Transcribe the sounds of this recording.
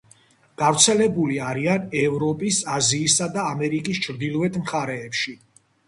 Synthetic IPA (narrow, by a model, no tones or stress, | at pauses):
ɡ̥avt̪sʰɛlɛbuliaɾianɛvɾɔpʼisaziːsad̪aːmɛɾikʼist͡ʃʰɾd̪ilˠvɛt̪ʰmχaɾɛːpʃi